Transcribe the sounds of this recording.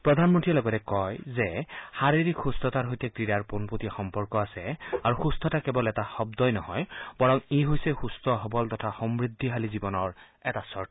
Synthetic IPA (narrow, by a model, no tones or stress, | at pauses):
pɹɔd̪ʱanmɔntiɛlɔɡɔtɛkɔjzɛxaɹiɹikxustɔtaɹɦojtɛkɹidaɹponpotixɔmpɔɹkɔasɛaɹuxustʰɔtakɛbɔlɛtaxɔb̚dɔjnɔhɔjb̥ɔɹɔŋiɦojsɛxustʰɔɦɔbɔltɔtʰaxɔmɹid̪ʱːiɦalizibɔnɔɹ | ɛtasɔɹʰ